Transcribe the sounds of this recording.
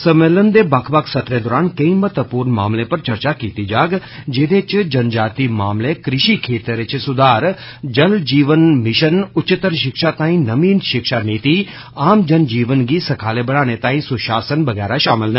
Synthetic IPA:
səmeːlənd̪eːbɐkʰbəkʰsət̪ɾẽːd̪ɔːɾaːnkə̃ĩːmət̪əpuːɾnma̰ːmleːpɐɾt͡ʃəɾt͡ʃaːkiːt̪iːd͡ʒaːɡd͡ʒeːd̪et͡ʃd͡ʒənd͡ʒaːt̪imaːmlekɾɪʃiːkʰeːt̪ɾɪt͡ʃsʊd̪aːɾ | d͡ʒəld͡ʒiːʋənmɪʃənʊt͡ʃɪt̪ːəɾʃɪkʃaːt̪ãːĩːnəmiːnʃɪkʃaniːt̪iː | aːmd͡ʒənd͡ʒiːʋənɡiːsəkʰaːleːbəɽ̃aːñet̪aːĩsʊʃaːsənʋəɡɛːɾaʃaːmɪlnɛː

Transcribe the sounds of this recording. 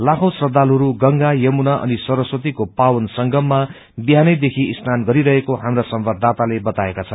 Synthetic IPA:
lakʰʌw̃srʌd̪ʱalɦʌɾuɡʌŋɡajʌmunaʔʌ̰nisʌɾʌswʌt̪̬ikopawʌnsʌŋɡʱʌmːa | biɦanʌjd̪ekʰiist̪anɡʌɾiɾʌɦekoɦamrasʌmbad̪ʱat̪alebʌt̪aekat͡sʰʌnn

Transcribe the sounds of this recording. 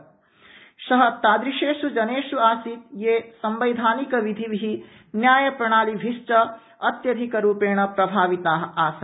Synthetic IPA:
ʃɐɦɐt̪aːd̪ɾiʃeːʃud͡ʒɐneːʃuaːsit̪jeːsɐmbɐjd̪ʱaːnikɐʋid̪ʱiʋiɦi | njaːjɐpɾɐɳ̃aːlibʱiʃt͡ʃɐ | ɐt̪jɐd̪ʱikɐɾuːpeːɳɐpɾɐbʱaːʋit̪aːɦɐaːsɐ

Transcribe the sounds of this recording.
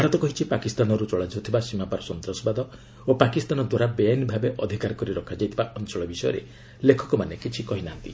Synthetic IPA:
bʱaɾɔt̪ɔkɔɦit͡ʃʰipakist̪anɔɾut͡ʃɔɭad͡ʒiɔt̪ʰibasimapaɾɔsɔnt̪ɾɔsɔbad̪ɔ | opakist̪anɔd̪waɾabeanibʱabeʔɔd̪ʱikaɾɔkɔɾiɾɔkʰad͡ʒajt̪ʰibaʔɔnt͡ʃɔɭɔbisɔjɔ̰ɾḛ | lekʰɔ̥kɔmanekit͡ʃʰikɔɦinaɦnt̪i

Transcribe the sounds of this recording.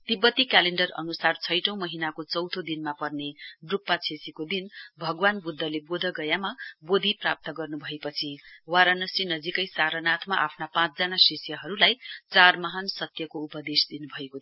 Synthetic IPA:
t̪ibʌt̪ikaleɳɖʌrʌ̰nusart͡sʰʌjʈʌ̃w̃mʌɦinakot͡sʌwt̪ʰod̪inmapʌrneɖrupːat͡sʰesikod̪inbʱʌɡwanbud̪ʱːʌlebod̪ʱʌɡʌjamabod̪ʱiprap̚t̪ʌɡʌrnubʱʌepʌt͡sʰiwaɾanʌsinʌd͡zikʌjsaɾʌnat̪ʰmaʔapʰnapãt͡sd͡zanasesjʌɦʌɾulajt͡sarmʌɦansʌt̪jʌkoupʌd̪esd̪inubʱʌeko

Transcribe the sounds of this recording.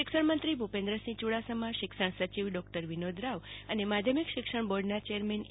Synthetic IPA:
ʃɪkʃəɳmənt̪ɾibʱupẽnd̪ɾəsĩt͡ʃuɽasəmãʃɪkʃəɳ̃sət͡ʃiʋɖɔk̚ʈəɾʋinod̪ʱɾaʋənemad̪ʱjəmikʃɪkʂəɳ̃boɾɖnat͡ʃeəɾmɛn

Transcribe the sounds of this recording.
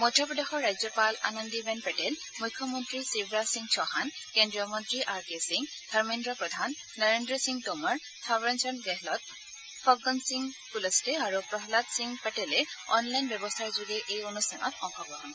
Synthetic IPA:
mɔdʱɔpɹɔd̪exɔɹːajzjɔpala̰nɔndibɛnpɛʈɛl | mukʰːɔmɔntɹisibɹasiŋɡt͡ʃʰɔxankendɹijɔmɔntɹiʔaɹkesiŋɡ | d̪ʱaɹmindɹɔpɹɔd̪ʱanːaɹendɹɔsiŋɡtɔmaɹ | t̪ʰabɹɛnsɔnɡɛɦlɔt̪̚ | pʰɔɡɔnsiŋ | kulɔstɛaɹupɹɔɦlat̪siŋɡpɛʈɛlɛɔnlajnbjɔbɔstʰaɹzuɡɛʔejonustʰanʔɔ̰tɔŋxɔɡɹɔɦɔn

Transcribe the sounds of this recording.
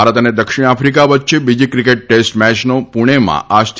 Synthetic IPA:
aɾət̪əned̪əkʃiɽ̃afɾik̬aʋət̪ːʃebid͡ʒikɾikeʈ̚ːesʈmɛt͡ʃnopuɽ̃emã̰ʔast̪ʰ

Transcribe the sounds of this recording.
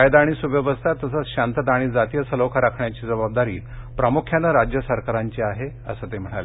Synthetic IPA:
ajd̪aaɽ̃isubjəʋəst̪ʰat̪ːəs̬əɕant̪ət̪aɽ̃id͡zat̪ijəsəlokʰaɾakʰɳjat͡ɕiːd͡zəβab̚d̪aɾiː | pɾəmukʰjanːəɾad͡ʑjəsəɾkaɾaɲt͡ɕiaɦe | ə̰səːt̪em̤əɽ̃ale

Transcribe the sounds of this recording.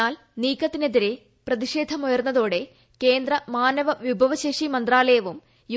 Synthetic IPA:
aːl | niːkːɐt̪ːineðiɾe̞ | prɐðiʂe̞ːd̪ʱɐmujɐrnːɐðoːɽe̞ | ke̞ːnd̪rɐmaːnɐʋɐʋibʱɐʋɐɕeʂimɐnd̪raːlɐjɐʋum | ju

